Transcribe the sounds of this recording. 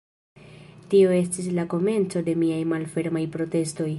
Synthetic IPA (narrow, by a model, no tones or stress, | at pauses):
tio̞e̞stislako̞me̞nt͡so̞de̞miajmalfe̞ɾmajpɾo̞te̞sto̞j